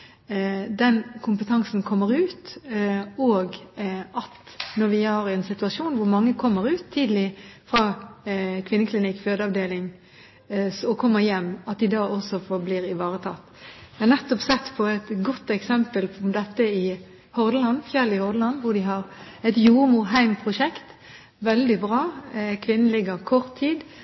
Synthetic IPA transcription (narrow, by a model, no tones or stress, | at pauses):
d̪ɛnkʰʊmpət̪ʰɑŋsnkʰɔmːəɾʉːt̪ | oːɡɑt̪ | nɔɾʋɪhɑɾɛnsɪt̪ʉɑsuːnʋʊɾmɑŋːəkʰɔmːəɾʉːt̪ʰːiːd̪əlɪfɾɑː | kʰʋɪnːəkʰlɪnɪkːføːd̪əɑʋd̪eːlɪŋ | sɔkʰɔmːəɾjɛmːɑt̪̚d̪ɪd̪ɑːʔɔsɔfɔbliːɾɪʋɑːɾət̪ʰɑːt̪jɛhɑnɛt̪ːɔpsɛt̪ːpʰɔɛt̪ɡɔt̪ːɛksɛmpəld̪ɛt̪ːəɪ | hɔɾd̪əlɑnfjɛlɪhɔʁd̪əlɑnʋʊd̪ɪɦɑɾ | ɛt̪juːɾmʊɾɦæɪmpʰʁʊʂɛkt̪ | ʋɛld̪ɪbɾɑːkʰʋɪnːən̩lɪɡəɾkʰɔʁt̪ʰːiːd̪